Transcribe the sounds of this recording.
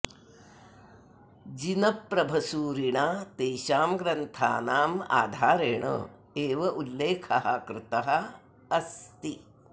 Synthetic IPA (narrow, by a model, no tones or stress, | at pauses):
d͡ʒinɐpːɾɐbʱɐsuːɾiɳaːt̪eːʃaːmɡɾɐnt̪ʰa̰ːnaːma̰ːd̪ʱaːɾeːɳɐ̰ | eːʋɐʔulːeːkʰɐɦɐkɾɪt̪ɐɦɐ̆ | ɐst̪i